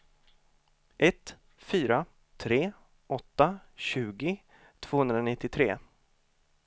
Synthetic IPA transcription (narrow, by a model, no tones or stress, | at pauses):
ʔɛt̪ | fyːɾa | t̪ʰɾeː | ʔɔt̪ːaɕʉ̟ːɡɪ | t̪ʰv̥oːhɵnd̪ɾaɔnɪt̪ːɪt̪ʰɾeː